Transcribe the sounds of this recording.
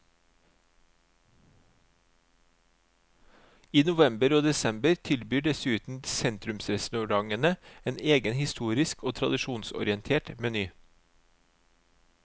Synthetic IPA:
iːnʊʋɛmbəɾoːd̪ɛsɛmbəɾt̪ʰɪlbyːɖɛsʉːt̪n̩sɛnt̪ɾʉmsɾɛsnʉɾɑŋənəeːneːɡənhɪst̪uːɾɪskoːt̪ʰɾɑd̪ɪʃuːnsɔ̰ɾɪənt̪ʰeːʈmɛnyː

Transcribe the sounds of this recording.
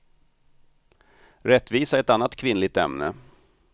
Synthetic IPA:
ɾɛt̪ːviːsaɛt̪anːat̪kʰvɪnlɪɡ̚t̪ɛ̰mnə̰

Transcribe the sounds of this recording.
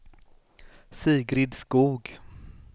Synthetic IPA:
siːɡɾɪd̪skuːɡ

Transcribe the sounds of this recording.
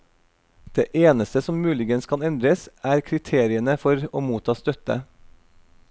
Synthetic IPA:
d̪̥ḛːʔeːnəst̪əsɔmmʉːlɪɡənskʰɑnɛnd̪ɾəsæːɾkʰɾɪt̪ʰeːɾɪənəfɔɾoːmuːt̪ʰɑːst̪œt̪ə̰

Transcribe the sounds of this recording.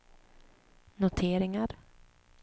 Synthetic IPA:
nʊt̪ʰeːɾɪŋaɾ

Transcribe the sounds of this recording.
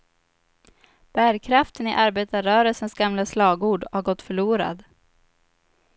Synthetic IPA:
b̥æːɾkʰɾaft̪ənɪʔaɾbeːt̪aɾœːɾəlsənsɡamlaslɑːɡuːɖhaɾɡɔt̪ːfœɭuːɾa̰d̪

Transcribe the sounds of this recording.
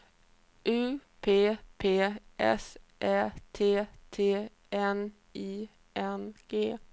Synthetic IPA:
ʔʉːpʰeːpʰeːʔɛ̰sʔæt̪ʰeːt̪ʰeː | ɛn | iː | ʔɛnɡ̥eː

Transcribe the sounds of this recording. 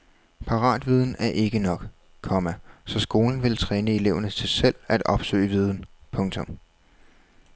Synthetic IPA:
pʰɑ̈ʁɑ̰̈ːd̥ʋið̞ˠn̩æɐʔe̝ɡ̥ənɒ̽ɡ̥ | kʰɒ̽mæsɒ̽sɡ̥o̝ːln̩ʋe̝lt͡sʰʁɛːnəe̝le̝ʊɐnət͡sʰe̝sel̰æd̥ɒ̽b̥sø̰ːɪʋiːð̞ˠn̩pʰɔ̽ŋt͡sʰɔ̽m

